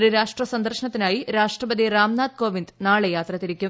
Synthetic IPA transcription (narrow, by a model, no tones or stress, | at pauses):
riɾaːʂʈrɐsɐnd̪ɐrʂɕɐnɐt̪ːinaːjiɾaːʂʈrɐbɐd̪ʱiraːmnaːd̪̚ko̞ːʋind̪naːɭejaːt̪rɐt̪ːiɾikʲːum